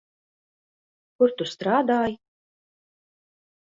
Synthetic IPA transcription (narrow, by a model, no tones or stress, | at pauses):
kʊɾt̪ust̪ɾaːd̪aːj